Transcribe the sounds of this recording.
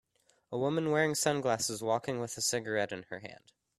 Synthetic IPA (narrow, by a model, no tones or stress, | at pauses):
əwʊmɨ̃nwɛɹɪ̃ŋsʌ̃nɡlæsɨzwɔkɪ̃ŋwəðəsɪɡə˞ɛɾɨ̃nə˞ɦæ̰̃nd̥